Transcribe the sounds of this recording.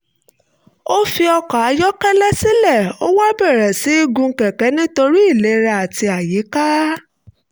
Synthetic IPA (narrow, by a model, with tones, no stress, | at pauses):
o˦fi˧ɔ˧ka˨a˨˧˦jɔ˦kɛ˦lɛ˦si˦lɛ˦˨o˦wa˦bɛ˦˨ɾɛ˨si˨˦i˦ɡũ˧ŋ̩˦kɛ˨kɛ˨˦nĩ˦to˧ɾi˦i˦˨le˨˦ɾa˧˨a˨ti˧a˨ji˨˦ka˦